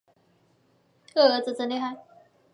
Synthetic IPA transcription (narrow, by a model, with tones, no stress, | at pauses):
ɤ˥˩ɤ˧˥t͡s̩˨˩t͡sə˧˥nli˥˧xa˥˩ɪ